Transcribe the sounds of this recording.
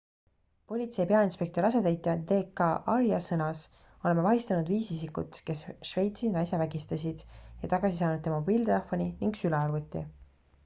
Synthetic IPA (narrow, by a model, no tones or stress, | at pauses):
po̞lʲit̪sejpe̞ɑinspe̞k̚t̪o̞ɾɑse̞d̪æjt̪ːˑɑd̪eːkːɑʔɑɾjɑsɤnɑs | o̞le̞mːevɑɦist̪ɑnud̪viːsisikṵt̪ke̞sʃve̞jt̪sinɑjsevæɡ̥ist̪ɑsid̪̥jɑt̪ɑɡ̥ɑsisɑːnud̪̚embiːlt̪elefo̞niniŋɡsylɛɑrvut̪ʲːˑḭ